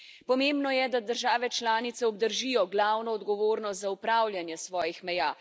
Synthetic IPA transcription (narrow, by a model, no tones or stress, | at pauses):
pɔmembnɔjɛd̪ad̪əɾʒaːʋɛt͡ʃlaːnit̪sɛɔb̚d̪əɾʒijɔɡlaːwnɔːd̪ɡɔʋoːɾnɔst̪zaupɾaːwljanjɛsʋɔːjixmɛjaː